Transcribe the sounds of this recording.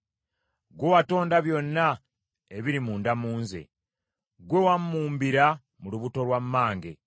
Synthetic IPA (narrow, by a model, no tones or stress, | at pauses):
ɡwewato̞ːndaβjo̞nːa | eβiɾimuːndamuːnzḛ | ɡwewamːuːmbiɾa | muluβuto̞lwamːaːŋɡe̞̰